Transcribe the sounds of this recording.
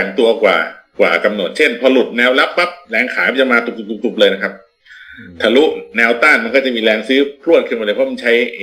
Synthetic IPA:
a˨˩ŋt̪u˧ɐkwa̰ː˨˩kwa̰ː˨˩ka˧mnu˨˩t̪̚t͡ɕʰe˥˩npʰɔ˧lu˨˩t̪̚nɛː˧wla˦˥pːa˦˥p̚lɛː˧ŋkʰaː˩˦ka˧˥˩t͡ɕa˨˩maː˧t̪u˨˩u˨˩t̪u˨˩t̪ʰu˨˩p̚lɤː˧jna˦˥kʰa˦˥p̚ | t̪ʰa˧lu˦˥ʔnɛː˧wt̪aː˥˩nma˧nkɔː˥˩t͡ɕa˨˩miː˧lɛː˧ŋsɯː˦˥pʰlu˥˩ət̪̚kʰɯ˧˩nwa˧lɤː˧˩pʰɔ˦˥ma˧t͡ɕʰa˦˥j

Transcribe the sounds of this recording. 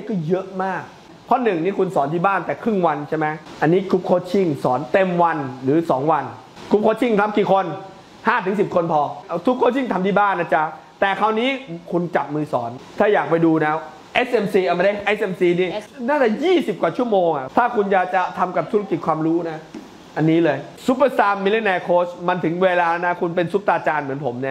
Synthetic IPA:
a˦˥˩kɔː˥˩jɤ˦˥ʔmaː˥˩k̚ | pʰɔ˦˥˩nɯ˨˩ŋniː˥˩kʰu˧nsɔː˩˦nt̪ʰiː˥˩baː˥˩nt̪ɛː˨˩kʰɾɯ˥˩ŋwa˧nt͡ɕʰa˥˩ma˦˥jʔa˧nːiː˦˥kʰu˦˥p̚kʰoː˧˩t͡ɕʰi˥˩ŋsɔː˩˦nt̪e˧mwa˧nɾɯː˩˦sɔː˩˦ŋwa˧n | kʰu˦˥p̚kʰoː˧˥t͡ɕʰi˥˩ŋt̪ʰa˦˥p̚kiː˨˩kʰo˧n | haː˥˩t̪ʰɯ˨˩˦ŋs̬i˨˩p̚kʰo˧npʰɔː˧˩k̪ʰu˦˥p̚kʰoː˧˩t͡ɕʰi˥˩ŋt̪ʰa˧mt̪ʰiː˥˩baː˥˩nːʔa˦˥˩t͡ɕa˦ | t̪ɛː˨˩kʰa˧˩wniː˦˥kʰu˧nt͡ɕa˨˩p̚mɯː˧sɔː˩˦nt̪ʰaː˥˩jaː˨˩k̚pa˧jduː˧nɛː˦˥w | ʔeː˦˥sʔe˧msiː˧ʔa˧˩ma˧˦da˥˩jʔe˦˥sʔe˧msiː˧niː˦˥˩naː˥˩t̪ɛː˨˩jiː˥˩si˨˩p̚kwaː˨˩t͡ɕʰu˥˩əmoː˧ŋʔa˨˩t̪ʰaː˥˩kʰu˧nt͡ɕa˨˩t͡ɕa˨˩t̪ʰa˧mka˨˩p̚t̪ʰu˦˥a˧ki˨˩t̪̚kʰwaː˧mɾuː˦˥na˦˥ | ʔa˧nːiː˦˥lɤː˧jsu˦˥pə˧saː˧mːi˧le˦˥nɛː˧kʰoː˦˥sma˧nt̪ʰɯ˩˦ŋweː˧laː˧na˦˥kʰu˧npe˧nsu˦˥p̚t̪aː˧t͡ɕaː˧nmɯ˩˦npʰo˩˦mna˦˥˩

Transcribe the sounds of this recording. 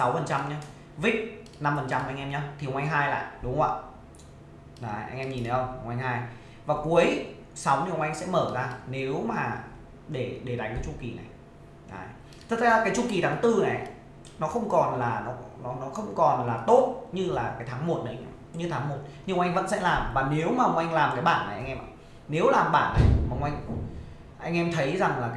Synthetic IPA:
sa˨˦wfə˨˩nt͡ɕa˧mɲa˧ | vi˦˥k̚ | na˧mfə˨˩nt͡ɕa˧mʔːŋ̟ʔɛ˧mɲa˧t̪ʰi˨˩˨ʔa˧ŋ̟ɦaː˧jla̰ː˧˨jɗʊ˨˦ŋ͡mwa̰ː˧˨ | ɗaː˨˦ʔa̰˧ŋ̟ʔɛ˧mɲi˨˩nə˨˦ə˧ŋ͡mʔa˧ŋ̟haː˧j | vaː˨˩ku˨˦əj | sa˨˦wni˧˩˨wʔa˧jŋ̟sɛ̰˧˥məː˧˩zaː˧ne˨˦wmaː˨˩ | ɗe˧˩ɗe˧˩ɗa˨˦jŋkːaː˨˦jt͡ɕu˧˩ki˨˩na̰˨˩j | ʔa̰ː˨˩j | t̪ʰə˨˩˧aː˨˩kaː˨˦jt͡ɕu˧ki˨˩t̪ʰaː˨˦ŋt̪ɨ˧na̰˨˩ | nɔ˨˦xə˧wŋ͡mkɔ˨˩nlaː˨˩nɔ˨˦nɔ˨˦nɔ˨˦xə˧wŋ͡mkɔ˨˩nlaː˨˩t̪o˦˥t̚ɲɨ˧laː˨˩kaː˨˦jt̪ʰaː˨˦ŋmo˨˩t̚na˨˦a˧ŋ̟ʔɛ̰˧mɲɨ˧t̪ʰaː˨˦ŋmo˨˩t̚ɲɨ˧˨˧wʔa˧ŋ̟və̰˧˥nsɛ̰˧˥laː˨˩mvaː˨˩ne˨˦wmaː˨˩ə˨˩wŋ͡mʔa˧jŋ̟laː˨˩mkaː˨˦jɓaː˧˩˨nːa˨˩jʔa˧jŋʔɛ˧mʔa̰˧˨˩ | ne˨˦wlaː˨˩mɓaː˧˩nːa˨˩jmaː˨˦ŋʔa˧jŋ̟ | ʔa˧jŋ̟ʔɛ˧mt̪ʰə˨˦jza˨˩ŋlaː˨˩k

